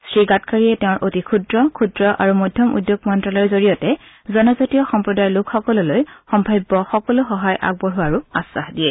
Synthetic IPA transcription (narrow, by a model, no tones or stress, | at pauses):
stɹiɡatkaɹiɛtɛʊ̃ɹʔotikʰudɹɔkʰudɹɔʔa̰ɹumɔjdʱjɔmṵdjoɡ̚mɔntɹalɔɹzoɹijɔtɛ | zɔnɔzatijɔxɔmpɹɔdajlʊkxɔkɔlɔlojxɔmbʱajbːɔxɔkɔlʊxɔɦajʔa̰ɡ̚boɹuaɹuasa̰xdiɛ